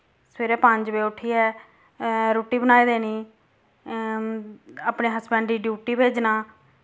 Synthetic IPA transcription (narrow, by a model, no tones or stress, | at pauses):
sʋeːɾɛːpəɲd͡ʒbeːʊʈʰiːɛː | ɾuːʈiːbənaːiːd̪eːniː | aːpneːɦəsbɛ̃ːɳɖiːɖjuːʈiːbeːd͡ʒnaː